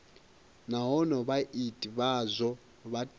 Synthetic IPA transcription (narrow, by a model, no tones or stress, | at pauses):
naɦɔnɔβaʔitʼiβazʷɔ | βat